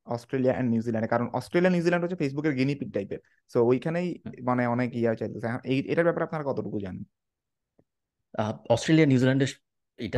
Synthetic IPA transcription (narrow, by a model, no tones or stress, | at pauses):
ɔsʈɾeliaʔɛ̰ɳɖnuzilaɳɖekaɾonɔ̰sʈɾelianuzilɛɳɖɦoːt͡ɕʰefes̬bukeɾɡinipiʈ̚ɖajpeɾ | soojkʰanejmaneɔnekiat͡ɕajlt̪osʰɛkʰeḛʈaɾbɛpaɾeapnaɾakɔt̪oʈukud͡ʑanen | aɔsʈɾelianuzilaɳɖe | eʈa